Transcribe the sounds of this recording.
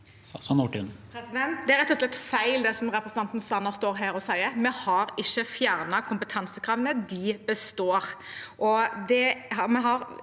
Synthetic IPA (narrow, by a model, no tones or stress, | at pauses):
sɔnuʈɪ̰npʰɾɛsɪd̪ɛnt̪̚d̪ɛæɾɛt̪ːɔslɛt̪ːfæɪld̪ɛsɔmɾɛpɾəsənɑnt̪n̩sɑnɑst̪oːɾɦæːɾɔsæɪəmɛhɑɾɪçːəfjæːʁnɑkʰʊmpət̪ʰɑnsəkʰɾɑʋənəd̪ɪbəst̪oːɾʔɔd̪ɛhɑmɛɦɑɾ